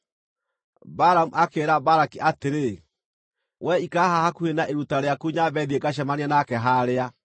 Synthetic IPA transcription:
baɾamuʔakeɾabaɾakiʔateɾe | wʔɛikaɦahakuhenaʔeɾutaɾeakuɲabɛðiekaɕamanianakɛɦaɾea

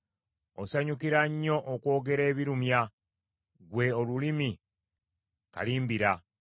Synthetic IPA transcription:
osaɲukiɾaɲːo̞ʔokwo̞ːɡe̞ɾe̞ːβiɾumja | ɡwe̞olulimi | ka̰liːmbiɾa

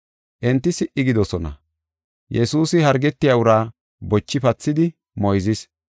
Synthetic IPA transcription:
ʔɛnt̪ːɪsɪʔɪɡɪd̪ɔsɔnɐ̰ | jɛsuːsɪhɐɾɡɛt̪ːɪjaʊɾaː | bɔt͡ʃːɪpɐt͡sːɪd̪ɪ | mɔjzɪs

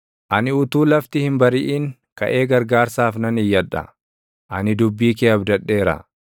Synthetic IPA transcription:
ʔɐnɪʊt̪uːlɐft̪ɪhɪmbɐɾɪʔiːŋ | kɐ̰ʔe̞ːɡɐɾɡaːɾsaːfnɐnɪjːɐᶑɐ̰ | ʔɐnɪd̪ʊbːiːkeːɐbd̪ɐᶑːe̞ːɾɐ̰

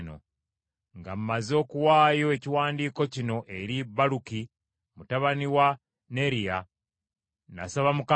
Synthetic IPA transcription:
no̰ | ŋɡa̰m̩mazo̞ːkuwaːjo̞e̞ciwaːndiːko̞cino̞ʔe̞ɾibaluki | mutaβaniwa | ne̞ɾija | na̰saβamuka

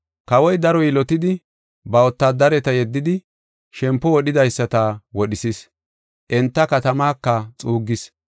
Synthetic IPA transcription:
kɐwɔjd̪ɐɾɔjɪlɔt̪ɪd̪ɪ | bɐwɔt̪ːaːd̪ɐɾɛt̪ɐjɛd̪ːɪd̪ɪ | ʃɛmpːɔwɔɗɪd̪ɐjsːɐt̪ɐwɔɗɪsis | ʔɛnt̪ːɐkɐt̪ɐmaːkːɐt͡sʼuːɡːɪs

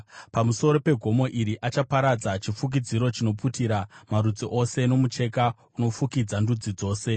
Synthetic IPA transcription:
pamuso̞ɾo̞pe̞ɡʱo̞mo̞ʔiɾiʔat͡ʃapaɾad͡zat͡ʃifuk̬id͡ziɾo̞t͡ʃino̞putiɾamaɾud͡ziʔo̞se̞no̞mut͡ʃe̞ka | uno̞fukid͡zandud͡zid͡zo̞ːse̞

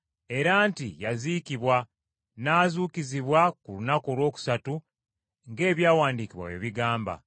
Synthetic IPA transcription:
e̞ɾaːntijaziːkiβwa | naːzuːkiziβwakulunakolwo̞ːku̥satu | ŋɡe̞ːβjaːwaːndiːkiβwa̰wḛːβiɡaːmba̰

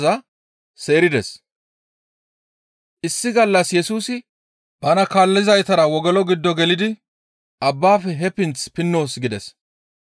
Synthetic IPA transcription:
zɐ | se̞ːɾɪd̪ɛs | ʔɪsːɪɡɐlːɐsjɛsuːsɪ | b̥ɐnɐkaːlːɪzɐjt̪ɐɾɐwɔɡɛlɔɡɪd̪ːɔɡɛlɪd̪ɪ | ʔɐbːaːfɛɦɛpɪnt͡spɪnːo̞ːsɡɪd̪ɛs

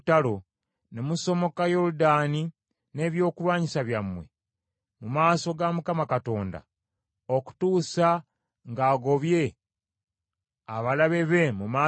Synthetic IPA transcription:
talo̞ | nemuso̞mo̞kajo̞ɾudani | ne̞βjo̞ːkulwaːɲisaβjamwe̞̰ | mumaːso̞ɡamukamakato̞ːnda̰ | oku̥tuːsa | ŋɡaːɡo̞βje̞ | aβalaβe̞βe̞mumaː

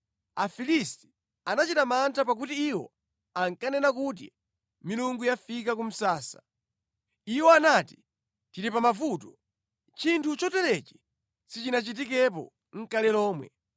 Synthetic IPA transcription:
afilisti̥ | anat͡ʃitamantʰapak̬utiːwɔ̰ | aŋkanɛnakut̬ḭ | miluŋɡujafikakum̩saːsḁ̰ | iwɔanati̥ | tiɾipamavuːtɔ̥ | t͡ʃintʰut͡ʃɔtɛlɛt͡ʃɛ̥ | sit͡ʃinat͡ʃit̬ikɛp̬ɔ̰ | ŋ̩kalɛlɔːmwɛ̰

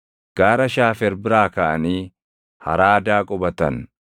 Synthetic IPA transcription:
ɡ̥aːɾɐʃaːfɛɾbɪɾaːkɐʔɐniː | hɐ̰ɾaːd̪aːkʼɔbɐt̪ɐ̰n

